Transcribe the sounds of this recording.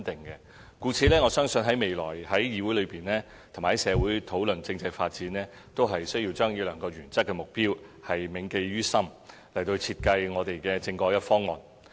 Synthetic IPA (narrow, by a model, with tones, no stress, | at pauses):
t̪ɪ˨˩ŋkɛ˧ | kuː˧t͡sʰiː˨˧lɛː˥ŋɔː˨˧sœː˥ŋsɵ˧nɦɐ˨˥jme˨jlɔː˨˩jhɐ˨˥jjiː˨˧wuː˨˥jlɵ˨˧ɥpiː˨˩nlɛː˥ | t̪ʰma˨˩hɐ˨˦sɛː˨˧wuː˨˥jt̪ʰo˨˥wlɵ˨nt͡sɪ˧ŋt͡sɐ˧jfaː˧t̚t͡siː˨˥nɛː˥ | t̪o˥wɦɐ˨jsɵ˥ɥji˧wt͡ʃœː˥ŋji˨˧wlœː˨˩ŋkɔː˧ɥyː˨˩nt͡sɐ˥k̚kːɛː˧mʊ˨k̚piː˥whɐ˨jmɪ˨˧ŋke˧jɥyː˥sɐ˥m | lɐ˨˩jt̪o˧t͡sʰiː˧t̚kɐ˧jŋɔː˨˧t̪e˨jkɛː˧t͡sɪ˧ŋkɔː˧kjɐ˥t̚fɔː˥ŋɔ̰ː˨n